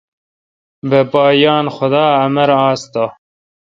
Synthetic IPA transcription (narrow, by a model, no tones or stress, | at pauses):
bəpɑːjɑːnxʊd̪ɑːɐmɐɾɑːst̪ɑ